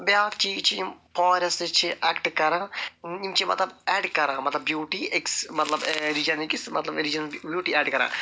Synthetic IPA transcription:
bjaːkt͡ɕijit͡ɕːɨjmpoːɾɐsɨt͡ʃːɨʔaːkʈɨkɐɾãːimt͡ʃɨmɐ̰t̪lɐbeːɖkɐɾãːmɐt̪lɐbbjuːʈːieksmɐt̪lɐbɾid͡ʒɐniksmɐ̰t̪lɐbɾid͡ʒɐnbjuːʈːiaːɖkɐɾa̰ː

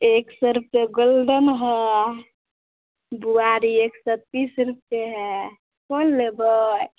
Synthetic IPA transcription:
eksəɾup̚seɡolɖənɦɛ | buaɾieksəp̪isɾup̚teɦɛ | kolːebəj

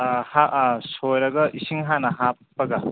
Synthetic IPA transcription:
hasojɾɐɡɐʔisiŋɦanɐɦap̚pːɐɡɐ

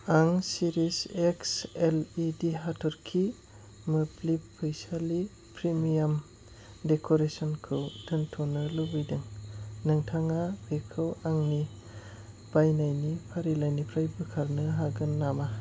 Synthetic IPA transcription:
aŋsiɾisekselidiɦatʰɔɾkʰi | mɯplipʰːɯjsali | pɾimijam | dekʰoɾesɔnkʰɯwtʰɯntʰɔnɯlubɯjdɯŋnɯŋtʰaŋabekʰɯwaŋni | b̥ajnajnipʰaɾilajnipʰɾajbɯkʰaɾnɯɦaɡɯnːama

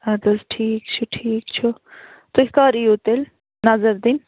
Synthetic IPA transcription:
ad̪ozʈʰiːk̚t͡ʃʰuʈʰiːkt͡ʃʰu | t̪uikaɾiut̪el | nɐzəɾd̪in

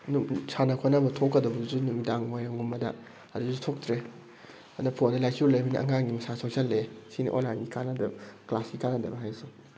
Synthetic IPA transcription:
nusanɐkʰonɐbɐtʰokːɐdɐbɐzunumidaŋmojɐŋumːɐdɐ̰ | ɐduzutʰok̚tɾe | ɐnɐpʰonɐlajsulɐjminḭʔɐ̰ŋaŋɡimɐsasʰoksɐlːesinḭʔo̰nlajnɡikʰanɐdɐklasɡikʰanɐdɐbɐɦajsu

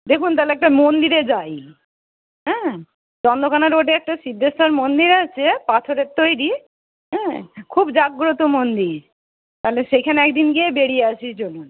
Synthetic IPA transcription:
d̪ekʰunt̪alɛk̚ʈamond̪iɾed͡ʑaj | ɦɛ̃ | d͡ʑɔnd̪okʰanaɾoɖeɛk̚ʈaʃid̪ʱːest̪aɾmond̪iɾat͡ɕʰepat̪ʰoɾeɾt̪ojɾi | ɦɛ̃kʰubd͡ʑaɡɾot̪omond̪iɾ | t̪aleʃekʰaneɛkd̪inɡiebeɽijeaʃiɾd͡ʑonːon

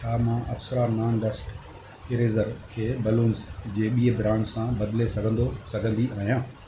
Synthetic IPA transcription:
ʃʰaːmãʔɐfsəɾaːnaːnɖəsʈ | ɪɾeːzəɾkʰeːbɐluːnzd͡ʑeːɓiːebɪɾãːɳɖsãbɐd̪lesɐɡʱə̃nd̪osɐɡʱə̃nd̪iaːɦijãː

